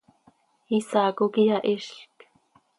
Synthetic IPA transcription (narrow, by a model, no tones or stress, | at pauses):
isaːkukijɑʔɪʃɬk